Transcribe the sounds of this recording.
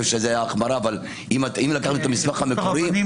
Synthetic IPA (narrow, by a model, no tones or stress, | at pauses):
vʃezeajaχmaɾaːval | imimlakaχt̪uet̪amismaχhamekoɾi